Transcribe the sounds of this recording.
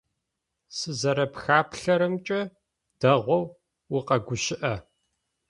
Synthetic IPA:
sɨzɐɾɐpxaːpʰɬɐɾɨmt͡ʃʼɐ | d̥ɐʁʷɔw | wiqɐɡʷʊʃɪʔɐ

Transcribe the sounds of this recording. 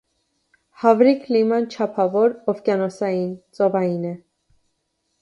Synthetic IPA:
hɑvɾikʰlimɑnt͡ʃʰɑpʰɑvɔɾɔfkjɑnɔsɑjint͡sʼɔvɑjinɛ

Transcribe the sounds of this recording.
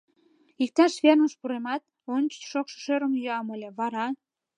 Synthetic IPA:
ik̚t̪ɑʃβernəʃpuɾemɑt̪̚ | onʲt͡ɕə̥t͡ɕʃokʃə̥ʃøɾəmjøɑmolʲeβɑɾɑ

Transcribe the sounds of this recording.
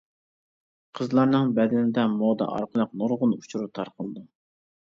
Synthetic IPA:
qʰəzlˠɑɾnɨŋbɛd̪ɪnɪd̪ɛmod̪ɑ̰ʔɑ̰ɾqʰəlˠəq̚noɾʁʊnut͡ʃʰuɾut̪ʰɑɾqəlˠd̪ɨ

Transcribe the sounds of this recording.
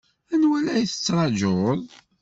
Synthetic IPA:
ænwælæjθə̥t͡sːɾˤɑd͡ʒoðˤ

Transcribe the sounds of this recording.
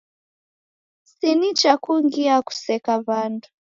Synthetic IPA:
sinit͡ʃakuŋɡiaku̥sɛkaβandu

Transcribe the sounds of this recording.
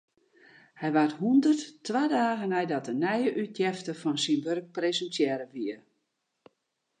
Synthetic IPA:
hɛjʋarthundərttːwadaːɣənɛjdɔtənɛjəʔytʰjɛftəfɔnsinʋørk̚prezəntjɛːɾəʋiə

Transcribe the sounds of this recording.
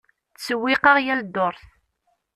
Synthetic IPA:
t͡sːəwːɪqɑʁjæld̪oɾˤθ

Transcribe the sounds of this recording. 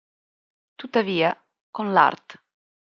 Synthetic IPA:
t̪ut̪ːaviːa | konla̰rt̪

